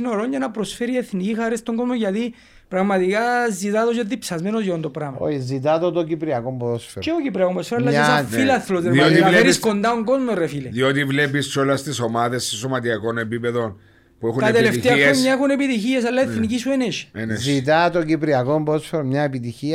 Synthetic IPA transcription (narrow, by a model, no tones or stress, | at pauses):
inoɾoɲɟɐnɐpɾo̞sfeɾie̞θnicixɐɾest̪oŋɡo̞zmoʝɐt̪i | pɾɐɣmɐt̪ikazit̪ɐðozot̪ipsɐzmenozjoond̪opɾɐmɐo̰izit̪ɐt̪ot̪ocipɾiɐkompɾosfeɾeocipɾiɐkombɾosfeɾɐlːɐsailɐθlot̪eɾiaoinɐeɾisko̞nd̪ɐoŋɡo̞zmorefiliðiot̪ivlepist͡ʃolɐst̪isomaðesːesomɐt̪iɐko̞nepipeðo̞n | puexunt̪ɐt̪eletfit̪eɐomɲɐexune̞pit̪içiesɐlːɐeθnicisueneʃenzit̪ɐt̪oɟipɾiɐkombɾosfeɾomɲɐepit̪içiɐ